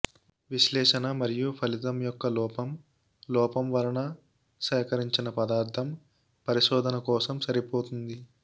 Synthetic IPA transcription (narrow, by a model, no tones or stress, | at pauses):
ʋiʃlɛːʂɐnɐmɐɾijupʰɐlit̪ɐmjɔkːɐlɔːpɐm | lɔːpɐmʋɐɾɐɳɐ | sɛːkɐɾiɲt͡ʃinɐpɐd̪aːɾt̪ʰɐm | pɐɾiʃɔːd̪ʱɐnɐkɔːsɐmsɐɾipoːt̪und̪i